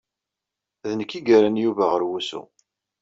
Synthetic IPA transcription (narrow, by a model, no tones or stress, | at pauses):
ðənəkːiɡəɾænjuvæʁəɾwusṵ